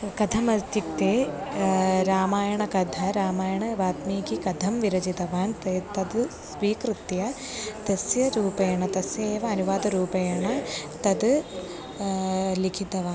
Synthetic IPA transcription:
kɐd̪ʰʱɐmɐst̪ik̚t̪eː | ɾaːmaːjɐɳɐkɐd̪ʱɐɾaːmaːjɐɳɐʋaːt̪miːkikɐd̪ʱɐmʋiɾɐd͡ʒit̪ɐʋaːnt̪ɐt̪ɐd̪ | sʋiːkɾut̪jɐ | t̪ɐsjɐɾuːpɐjɐɳɐt̪ɐsjɐeːʋɐɐnuʋaːd̪ɐɾuːpɐjɐɳɐt̪ɐd̪ | likʰit̪ɐʋaːn

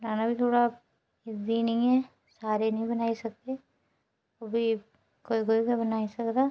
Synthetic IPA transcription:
ɾaːnabʱit̪ʰoːɽa | ɪd̪inɐɦĩɦɛː | saːɾenɐɦĩbɐnaːisɐk̚t̪e | ɐbʱi | koːikoːikabɐnaːisɐkd̪aː

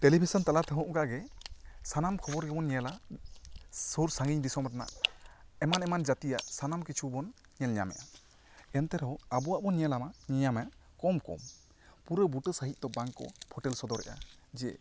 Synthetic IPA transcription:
tɛlibʱisɔnt̪alat̪ʰɛɦɔ̃ʔɡaɡɛsanamkʰɔbɔɾɡɛbɔnɲɛla | suɾsaŋɡiɲd̪isɔmɾana̰ʔɛmanɛmand͡ʒat̪ija̰ʔsanamkit͡ʃʰubɔn | ɲɛlɲa̰mɛ̰ʔa | ɛnt̪ɛɾɛɦɔabuwaʔbɔnɲɛlamaɲɛɲamɛʔkɔmkɔ̰m | puɾəbuʈəsəɦic̚d̪ɔbaŋkɔ̰pʰɔʈɛlsɔd̪ɔɾɛ̰ʔa̰ | d͡ʒiɛ̰ʔ

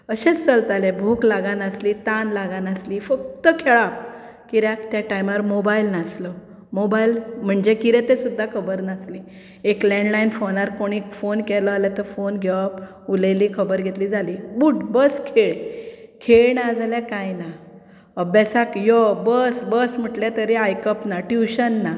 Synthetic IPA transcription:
əɕẽt͡st͡səlt̪alebʱuːklaɡanaslit̪anlaɡanaslifək̚t̪əkʰɛɭap | kiɾakt̪jaʈajmaɾmobailnaslɔ | mobailm̤əɳd͡ʑekiɾɛt̪ẽsud̪ʱːakʰəbəɾnasli | eklɛ̃ɳɖlainfonaɾkoɽ̃ikfonkɛlɔalɛt̪əɾfonɡʱɛʋəp | ulelikʰəbəɾɡʱet̪lid͡zʱalibuːʈbəskʰeɭkʰeɭnad͡zaljakajna | əbasakjɔbəsbəsm̤əʈlet̪əɾeajkəpnaʈjuɕənːa

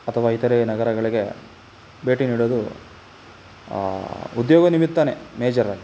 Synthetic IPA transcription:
ɐt̪ʰɐʋaːit̪ɐɾenɐɡɐɾɐɡɐɭiɡe̞ | beːʈiniːɽoːd̪u | ud̪joːɡɐnimit̪ːɐnemeːd͡ʒɐɾɐlːi

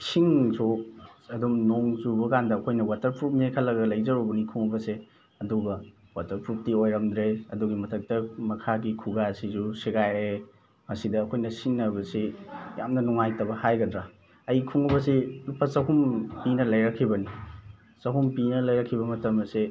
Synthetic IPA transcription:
siŋsoɐdumnoŋzubɐkandɐːkʰojnɐwatɐɾpɾup̚mekʰɐlːɐɡɐlɐjzɐɾubɐnikʰuŋubɐse | ɐduɡɐ | watɐɾpɾup̚tiojɾɐmd̪ɾeɐduɡimɐtʰɐk̚tɐmɐkʰaɡikʰuɡasizusiɡaje | mɐsidɐːkʰojnɐsiŋːɐbɐsijamnɐnuŋajtɐbɐhajɡɐdɾa | ɐjkʰuŋubɐsinupʰːɐsɐɦumpinɐlɐjɾɐkʰːibɐni | sɐɦumpinɐlɐjɾɐkʰːibɐmɐtɐmɐse

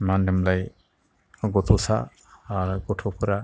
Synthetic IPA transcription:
mandɯmlaj | ɡɔt̪ʰɔsaː | ɾɡɔtʰɔpʰɯɾa

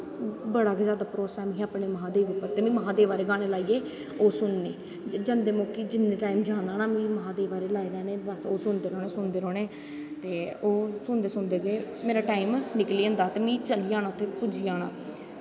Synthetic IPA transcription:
bəɽaːkezjaːd̪aːpɾoːsɛːmĩːaːpɳeːmɦãːd̪eːʋɪpːəɾt̪eːmĩːməɦãːd̪eːʋaːɾeːɡaːneːlaːiːeː | oːsʊnːeː | d͡ʒənd̪eːmoːkiːd͡ʒɪnːẽːʈaːimd͡ʒaːnaːnaːmĩːməɦãːd̪eːʋaːɾeːlaːiːɾɛːneːbəsoːsʊnd̪eːɾɔːneːsʊnd̪eːɾɔːneː | t̪eːoːsʊnd̪eːsʊnd̪eːɡeː | meːɾaːʈaːimnɪkliːə̃nd̪aːt̪eːmĩːt͡ʃəliːãːnaːʊt̪ʰːeːpʊd͡ʒiːaːna̰ː

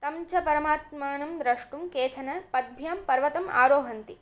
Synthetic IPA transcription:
t̪ɐmt͡ʃɐpɐɾɐmaːt̪maːnɐmd̪ɾɐʂʈumkeːt͡ʃʰɐnɐpɐd̪̚bʱjaːmpɐɾʋɐt̪ɐma̰ːɾoːɦɐnt̪i

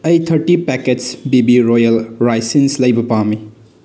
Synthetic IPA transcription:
ɐjt̪ʰɐɾʈipɛketsbibiɾojɐlɾajsinslɐjbɐpami

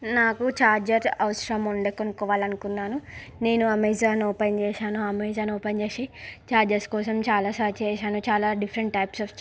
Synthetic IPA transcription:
naːkut͡ʃaːɾd͡ʒɐɾɐʋɐʃɾɐmuɳɖeːkonukɔːʋaːlɐnukunːaːnune̞ːnuɐmeːzaːnɔːpɐjnt͡ʃɛːʃaːnuɐmeːzaːnoːpejnd͡ʒeːʃet͡ʃaːɾd͡ʒɐɾskɔːsɐmt͡ʃaːlaːsaːt͡ʃɛːʃaːnut͡ʃaːlaːɖipʰɐɾɐɳʈʈɐjpsɐf

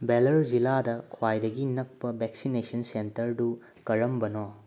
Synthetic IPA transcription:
belɐɾd͡ʒiladɐkʰwajdɐɡinɐk̚pɐbeksinesɐnsentɐɾdu | kɐɾɐmbɐno

